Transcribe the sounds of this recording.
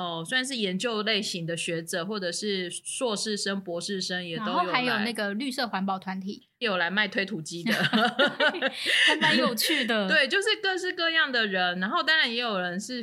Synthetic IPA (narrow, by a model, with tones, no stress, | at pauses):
ɔ˥˩swa˥˩˧nʂ̬ɻ̩˥˩jɛ˨˦˥nt͡ɕjo˥˧ʊle˥˩ɪɕi˧˥ŋd̪ə˨ɕɥɛ˧˥ʈ͡ʂɤ˨˦xwɔ˥˩ʈ͡ʂɤ˨˩ʂɻ̩˥˩swɔ˥˧ʂɻ̩˥˩ʂə˥ŋpwɔ˧˥ʂɻ̩˥˩ʂə˦˥ŋjɛ˨˩˦o˥ʊo˥˩ja˧˥ɪjo˨˩ʊna˥˩ɡə˩ly˥˧sɤ˥˩xwa˧˥npɑ˨˩ʊt̪ʰwa˧˦nt̪ʰḭ˨˩˦ | jo˨˩ʊla˧˦ɪma˥˩ɪt̪we˥ɪt̪ʰu˨˩t͡ɕi˦˥d̪ə˨˩ | a˥npa˥jo˨˩ʊt͡ɕʰy˥˩d̪ə˨˩t̪we˥˩ɪt͡ɕjo˥˧ʊʂɻ̩˥˧kɤ˥˧ʂɻ̩˥˧kɤ˥˧jɑ˥˩ŋd̪ə˩ɻə˧˦nna˧˥nxo˥˧ʊt̪ɑ˥ŋɻa˧˦njɛ˧˥jo˨˩ʊɻə˧˦nʂɻ̩˥˩